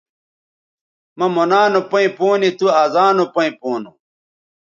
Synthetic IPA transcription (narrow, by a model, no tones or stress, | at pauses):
mɐmonaːnopɐĩpoːnit̪uaːzaːnopɐĩpoːnu